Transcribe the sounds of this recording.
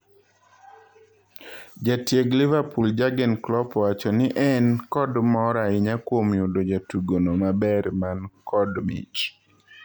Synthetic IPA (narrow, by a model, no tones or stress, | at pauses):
d͡ʒatjeɡlɪvapuld͡ʒaɡɛnklɔpwat͡ʃɔnɪʔɛnkɔdmɔɾaɪɲakwomjodod͡ʒatuɡonomabɛɾmankʰɔdmḭt͡ʃ